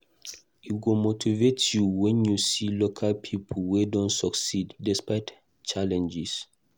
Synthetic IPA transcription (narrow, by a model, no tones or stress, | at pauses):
uɡomotʰivetjuwɛ̃njusilokʰalpʰipʰolwedɔ̃ntsɔksidːɛspaɪt | t͡ʃalɛ̃nd͡ʒis